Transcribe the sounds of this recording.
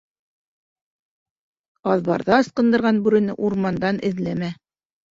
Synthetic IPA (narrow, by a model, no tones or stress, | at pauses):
ɑðβɑɾðɑɤ̆sqɤ̆nd̪ɤ̆ɾʁɑnbʉɾɘ̆nɘʔuɾmɑnd̪ɑnɘ̆ðlæmæ